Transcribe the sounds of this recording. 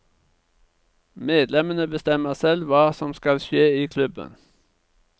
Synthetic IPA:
meːd̪lɛmənəbəst̪ɛməʁsɛlʋɑːsɔmskɑlʃeːiːkʰlʉbə̰n

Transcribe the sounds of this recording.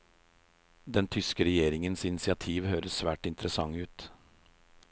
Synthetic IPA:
d̪ɛnt̪ʰʏskəɾɛjeːɾɪŋənsɪnɪsɪɑt̪ʰiːʋhøːɾəssʋæːʈɪnt̪əɾəsɑŋʉːt̪

